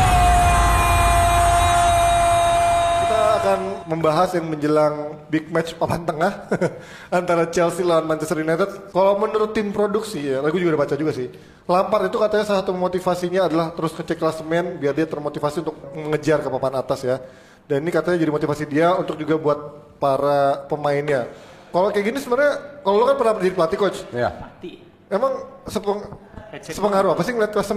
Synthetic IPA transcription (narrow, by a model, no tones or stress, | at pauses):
kit̪aːkanməmbaɦasjaŋməɲd͡ʒəlaŋbik̚mɛt͡ʃpapant̪əŋah | ant̪aɾat͡ʃɛlsilawanmant͡ʃɛsrjunat̪ət̪̚kalawmənuɾʊt̪ːɪmpɾodʊksihjalaɡud͡ʒuɡadipat͡ʃad͡ʒuɡasɪh | lampaɾit̪ukat̪aɲasasat̪umot̪ifasiɲaːdalaht̪əɾʊskət͡ʃɛklasəmɛnbiardiat̪ərmot̪ifasiunt̪ʊk̚məŋəd͡ʒarkəpapanat̪asja | daninikat̪aɲad͡ʒadimot̪ifasidiaunt̪ʊk̚d͡ʒuɡabuat̪̚ | paɾapəmaɪnɲa | kalokajaɡinisəməərɲakalolokanpərnapərd͡ʒadipəlat̪ikot͡ʃ̪ | emaŋsəpəŋsəpəŋaɾuapasɪŋəliat̪̚klasəm